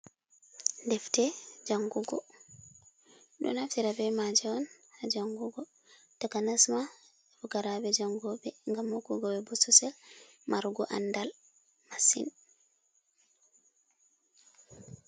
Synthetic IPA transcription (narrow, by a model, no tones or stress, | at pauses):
ndɛftɛd͡ʒaŋɡuɡɔ | ɗɔ̰naftiɾabɛmad͡ʒɛɔn | had͡ʒaŋɡuɡɔ | takanasma | fuɡaɾabɛd͡ʒaŋɡɔbɛŋɡamːɔkːuɡɔbɛbɔsɔsɛlmʔaɾuɡɔʔa̰ndal | masḭn